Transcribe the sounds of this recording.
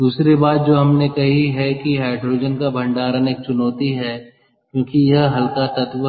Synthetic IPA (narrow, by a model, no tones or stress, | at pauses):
d̪uːsɾibaːt̪̚d͡ʒoːɦɐmnekɐɦiɦɛkiɦaːɪɖɾoːd͡ʒənkabʱɐ̃ɳɖaːɾəneːk̚t͡ʃʊnɔːt̪iɦɛː | kjõːkijɐɦɦɐlkat̪ɐt̪ʋə